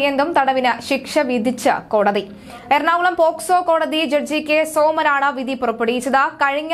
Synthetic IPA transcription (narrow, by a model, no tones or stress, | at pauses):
jend̪umt̪ɐɽɐʋinɨɕikʂɐʋid̪ʱit͡ɕːɨko̞ːɽɐði | eɾnaːʋuɭɐmpoːksoːko̞ːɽɐðid͡ʑerd͡ʑikʲːesoːmɐɾaːɳɐʋid̪ʱipurɐpːeɽijit͡ɕːɐðakɐɻiɲː